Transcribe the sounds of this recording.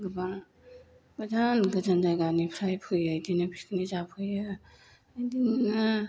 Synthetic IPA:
ɡɯba | badanɡɯzand͡ʒaɡanipʰɾajpʰɯjɯjdinapʰi̥kʰnizapʰɯjɯ | ajdina

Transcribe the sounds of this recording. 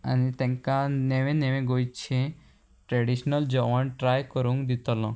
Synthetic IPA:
ə̰nit̪ɛ̃ŋkãneʋẽneʋẽɡojt͡ʃʰẽ | ʈɾeɖiʃnəld͡ʒɔʋanʈɾajkɔɾũŋɡd̪it̪ɔlɔ̃

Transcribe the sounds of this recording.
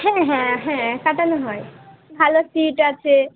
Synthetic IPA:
hɛ̃ɦɛ̃ɦɛ̃kaʈanoɦɔebʱalosiʈat͡ɕʰe

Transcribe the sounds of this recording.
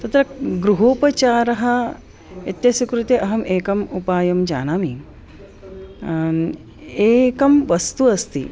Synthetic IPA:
t̪ɐt̪ɾɐɡɾuɦoːpɐt͡ʃaːɾɐɦɐ | et̪jɐsikɾut̪eʔɐɦɐmeːkɐmupaːjɐmd͡ʒa̰ːnaːmi | eːkɐmʋɐst̪uɐst̪ḭ

